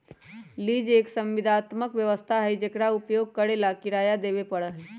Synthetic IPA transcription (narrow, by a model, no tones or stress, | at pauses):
liːd͡ʒeːksə̃mʋɪd̪ʱaːt̪məkʋjəʋəst̪ʰaɦɛd͡ʒekɽaʊpjoːɡ̚kəɽelakɪɾaːjad̪eːbepəɽəɦɛ